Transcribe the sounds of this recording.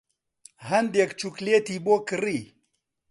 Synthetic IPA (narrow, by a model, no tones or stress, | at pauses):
ɦɐnd̪jekt͡ʃuklet̪ibokɨɾi